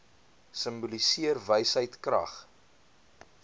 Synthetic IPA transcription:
səmbulisiərvəjsɦəjtkrɐ̰χ

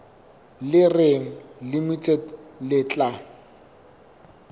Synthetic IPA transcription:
lɪreŋ̩limit͡sʼedlɪt͡ɬʼa

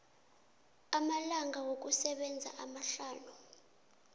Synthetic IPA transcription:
amalaŋʱawok̬usɛɓɛnd͡zʱa̰ʔamaɬaːnu

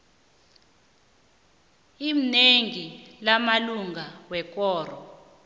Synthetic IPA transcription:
im̩neŋilamaluŋɡawɛk̬ʼɔːrɔ

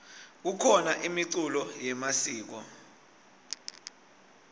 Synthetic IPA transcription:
k̬ukʰɔnaʔimiǀulɔjɛmasiːk̬ɔ

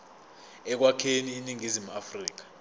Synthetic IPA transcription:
ɛk̬wakʰeniːniŋizimuafriːk̬ḁ

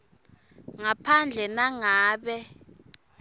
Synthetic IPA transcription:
ŋapʰand͡ɮʱɛnaŋaːɓɛ

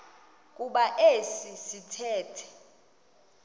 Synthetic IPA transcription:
k̬ʼuɓaʔesisitʰɛːtʰɛ̥

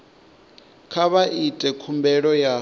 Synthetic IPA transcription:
kʰaβaʔitʼɛkʰumbɛɺɔja

